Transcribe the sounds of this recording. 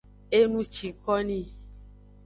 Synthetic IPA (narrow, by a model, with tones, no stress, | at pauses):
e˦nũ˦t͡ʃi˨kɔ˦nĩ˦˨